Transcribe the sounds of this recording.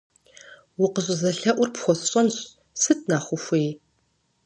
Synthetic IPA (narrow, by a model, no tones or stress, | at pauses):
wʊqəɕʷʼɪzɐɬɐʔʷʊrpxʷɔsɕʼɐnɕ | sɨt̚ʰʼnaːχʷʊxʷeː